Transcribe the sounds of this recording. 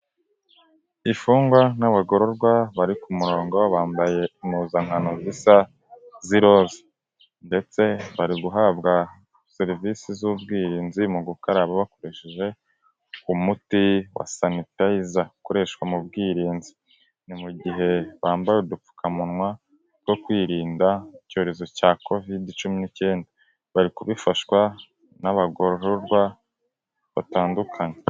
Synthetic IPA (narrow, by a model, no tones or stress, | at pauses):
ifuːŋɡwanaβaɡo̞ɾo̞ɾɡwaβaɾikumuɾo̞ːŋɡowaβaːmbaje̞imuːzaŋhanozisa | ziɾo̞ːze̥ | nde̞t͡se̞βaɾiɡuɦabɡa | seɾvisizubɡiːɾiːnzimuɡukaɾaβaβako̞ɾe̞ʃeʒe̞ | kumutiwa̰sanitaizakoɾe̞ʃwamub̚ɡiːɾiːnzi | nimuɟiɦe̞βaːmbajedup͡fu̥kʰamunŋwa | ɾɡo̞kwiːɾiːndaico̞eɾe̞zo̞caːko̞vidit͡ʃuminice̞ːnda | βaɾikuβifaʃwa | naβaɡoɾoɾoɾɡwa | βa̰taːndukʰaɲe